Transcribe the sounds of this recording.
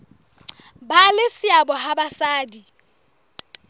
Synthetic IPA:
balɪsɪabɔɦabasaːdi

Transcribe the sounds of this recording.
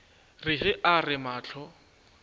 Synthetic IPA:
rɪɦɪʔarɪmaːt͡ɬʰɔ

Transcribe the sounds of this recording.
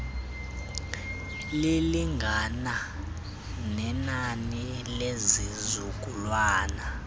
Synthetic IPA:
liliŋɡʱana | nɛnani | lezizukʼulwaːna

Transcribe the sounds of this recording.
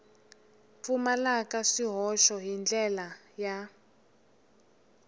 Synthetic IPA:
fumalakaʂiɦɔʃɔɦind͡ɮɛla | ja

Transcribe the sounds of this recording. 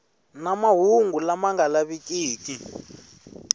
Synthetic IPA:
namaɦuŋɡulamaŋɡalaβikiːkʼi

